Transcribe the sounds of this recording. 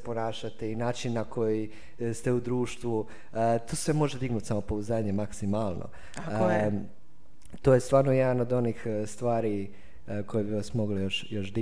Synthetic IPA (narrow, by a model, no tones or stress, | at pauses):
po̞naːʃat̪einaːt͡ʃinːakʰo̞ji | st̪e̞ud̪ɾuːʃt̪ʋu | ət̪ʰoːsʋemo̞ʒed̪iɡnut̪samo̞pouzaːɲemaksimalˠnʔo̰ | t̪ojest̪ʋaːɾnojɛd̪ano̞d̪o̞nixst̪ʋaːɾi | ko̞jebiʋasmo̞ɡlijoʃjo̞ʃd̪i